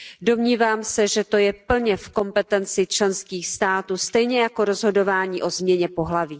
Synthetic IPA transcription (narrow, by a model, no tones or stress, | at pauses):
do̞mɲiːvaːmsɛʒɛt̪o̞jɛpl̩ɲɛfko̞mpɛt̪ɛnt͡sɪt͡ʃlɛnskiːxst̪aːt̪uːst̪ɛjɲɛjako̞ɾozɦo̞do̞vaːɲiːʔo̞zmɲɛɲɛpo̞ɦlaviː